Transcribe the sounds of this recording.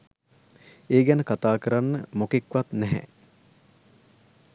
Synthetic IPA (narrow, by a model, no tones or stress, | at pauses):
eːɡænəkat̪aːkəɾanːəmokekʋat̪nɛɦɛ̰